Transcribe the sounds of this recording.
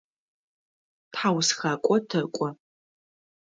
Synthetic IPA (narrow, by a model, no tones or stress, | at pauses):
tħawsxakʷʼɔtʰɐkʷʼɔ